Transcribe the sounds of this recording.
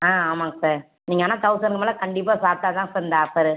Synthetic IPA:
ãːaːmãːŋɡɐsaːɾ | niːŋɡɐnãːt̪ɐʋʊsɐnɡɯmaːlɐkɐɳɖɪpːaːsaːɾt̪aːt̪ãːsaːɾɪnd̪ɐaːpːɐɾɯ

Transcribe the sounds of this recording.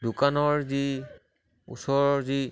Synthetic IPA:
dukanɔɹzi | ṵsɔɹɔzi

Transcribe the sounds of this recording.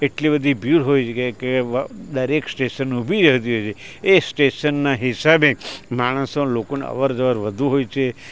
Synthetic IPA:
eʈlibəd̪ʱibjuɾɦojt͡ʃʰekeked̪əɾeksʈeʃənubʱiɾəɦt̪̬iɦojt͡ʃʰeesʈeʃənːaɦɪsabemaɽ̃əsolokonḛə̰ʋəɾd͡ʒəʋəɾʋəd̪ʱuɦojt͡ʃʰe

